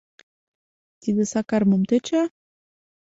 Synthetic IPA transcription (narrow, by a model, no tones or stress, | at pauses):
t̪id̪esɑkɑrmɤ̆mt̪ə̆t͡ɕɑ